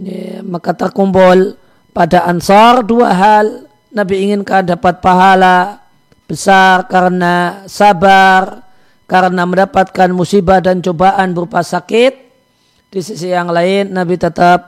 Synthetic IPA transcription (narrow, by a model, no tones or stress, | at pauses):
makat̪ərkumbʊl | padaʔansɑrduaɦal | nabiːŋɪnkandapat̪̚paɦala | b̥əsarkaɾənasabar | kaɾənaməndapat̪̚kanmusibahdant͡ʃobaʔanbəɾupasakɪt̪̚ | d̥isisijaŋlaɪnːabit̪ət̪əp̚